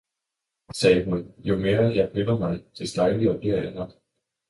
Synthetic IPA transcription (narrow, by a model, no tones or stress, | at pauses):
sɛːəɦunjo̝me̝ːɐjɑ̈ɪpʰølɐmɑ̈ɪt͡sʰe̝sd̥ɑ̈ɪliɒ̽d̥eɐ̰enɒɡ̥